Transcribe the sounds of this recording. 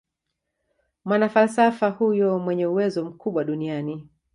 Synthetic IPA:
mwanafalsafahujɔmwɛɲɛuwɛzɔm̩kuɓwaɗuniani

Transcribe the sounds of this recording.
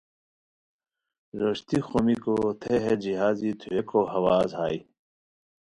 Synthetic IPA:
ɾoʂt̪ixomikot̪ʰeɦed͡ʑiɦaːzit̪ʰuekohɐwaːzɦaːi

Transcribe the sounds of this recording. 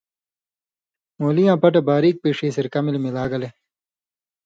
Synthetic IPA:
moːlijãːpɐʈ̬ebaːɾiːk̚peːʂiːsiɾkɐmilmilaːɡɐle

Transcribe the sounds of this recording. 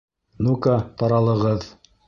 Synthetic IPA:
nukat̪ɑɾɑlˠɤ̆ʁɤð

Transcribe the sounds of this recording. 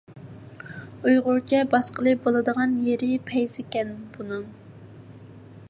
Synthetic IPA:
ujʁʊɾt͡ʃʰɛbɑʃqəlˠɨbolˠɨd̪əʁɑnjeɾɪpʰɛjzɪkʲɛnb̥unɨm

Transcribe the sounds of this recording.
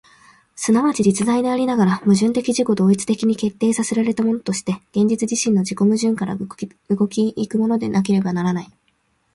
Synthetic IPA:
sɨnaβat͡ɕiɾʲit͡sɨd̪aid̪e̞aɾʲinaɡaɾamɯ̟ʑɨ̃nt̪e̞kʲiʑiko̞d̪o̞ːit͡sɨ̥t̪e̞kʲiɲ̟ike̞t̪ːe̞ːsaseɾaɾe̞t̪amo̞no̞t̪o̞ɕi̥t̪e̞ɡ̥ẽ̞ɲ̟d͡ʑit͡sɨʑiɕĩnːo̞d͡ʑiko̞mɯ̟ʑɨ̃ŋkaɾa̰ | ɯɡo̞kʲiːkɯ̟mo̞no̞d̪e̞nak̬e̞ɾe̞banaɾanai

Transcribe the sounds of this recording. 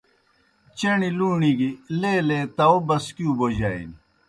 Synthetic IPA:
t͡ɕeniluːɳiɡileːleːt̪ɐobɐskjũːbod͡ʑaːḭni

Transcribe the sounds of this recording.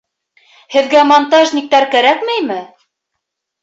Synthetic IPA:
hɘ̆ðɡæmont̪aʒnʲik̚t̪æɾkæɾækmæjmɘ

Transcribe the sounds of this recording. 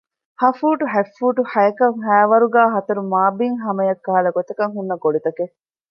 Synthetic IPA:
hɐfuːʈuɦæfːuːʈuhɐjɐkɐŋɦæːʋɐɾuɡæːɦɐt̪ɐɾumaːbiŋɦɐmɐjɐkːɐɦɐlɐɡot̪ɐkɐŋɦunːɐɡoɭit̪ɐke

